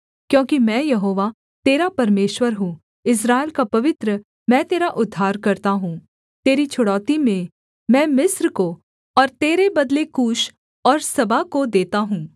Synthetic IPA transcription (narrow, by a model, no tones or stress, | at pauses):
kjõːkimɛ̃ːjɐɦoːʋa | t̪eːɾapɐɾmeːʃwəɾɦũː | ɪs̬ɾaːelkapɐʋɪt̪ɾə | mɛ̃ːt̪eːɾaʔʊd̪ʱːaːɾkɐɾt̪aɦũː | t̪eːɾit͡ʃʰʊɽɔːt̪imẽ | mɛ̃ːmɪsɾko | ɔːɾt̪eːɾebɐd̪lekuːʃ | ɔːɾsɐbʱakod̪eːt̪aɦũː